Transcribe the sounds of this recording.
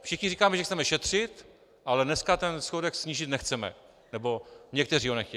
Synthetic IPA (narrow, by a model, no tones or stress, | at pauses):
fʃɪxɲɪriːkaːmɛʒɛxt͡sɛmɛʃɛt̪r̝̥ɪt̪ | ʔalɛdnɛskat̪ɛnsxodɛksɲiːʒɪt̪nɛxt͡sɛmɛ̰ | nɛbo̞ɲɛkt̪ɛriːɦonɛxcɛ